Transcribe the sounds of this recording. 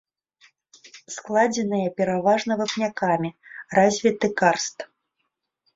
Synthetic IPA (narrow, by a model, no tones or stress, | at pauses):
sklˠad͡zʲɛnɨjɐpʲɛɾavaʐnɐvɐpnʲakamʲirazʲvʲit̪ɨkarst̪